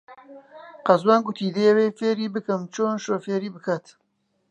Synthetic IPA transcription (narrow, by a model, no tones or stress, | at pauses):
qɐzwaːnɡʊt̪ʰiːd̪ejɐweːfeːɾiːbɨkɨmt͡ʃʰoːnʃoːfeːɾiːbɨkʰaːt̪